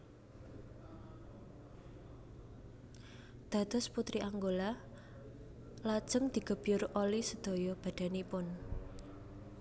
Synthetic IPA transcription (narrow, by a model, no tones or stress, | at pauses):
d̪̥a̤d̪̥ɔ̤sput̪ɾiʔaŋɡola | lad̥ʒ̥əŋd̪̥i̤ɡ̥ə̤b̥jʊrʔolisəd̪̥o̤jɔb̥ä̤d̥̪a̤nipʊn